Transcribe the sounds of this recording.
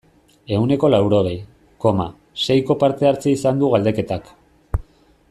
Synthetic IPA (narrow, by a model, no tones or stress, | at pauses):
e̞une̞ko̞lawɾo̞ɣej | ko̞ma | se̞jko̞paɾt̪e̞aɾt͡seisand̪uɣald̪e̞ke̞t̪ak